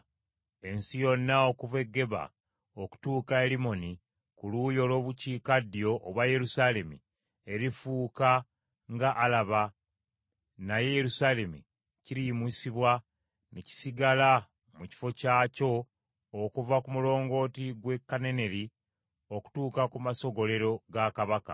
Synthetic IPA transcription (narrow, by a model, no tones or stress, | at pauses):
e̞nsijo̞nːao̞kuve̞ɡːe̞βa̰ | oku̥tuːkae̞limo̞ni | kuluːjo̞ːlo̞ːβuciːkadːijo̞ʔːβwaje̞ɾusaːle̞mḭ | e̞ɾifuːka | ŋɡaʔːlaβa | najejeɾusaːle̞mi | ciɾimisiβwa | neci̥siɡala | muci̥fo̞caːco̞ː | kuvakumulo̞ːŋɡo̞ːtiɡwe̞kːane̞ne̞ɾi | o̞ku̥tuːkakumaso̞ɡo̞le̞ɾo̞ɡakaβaka̰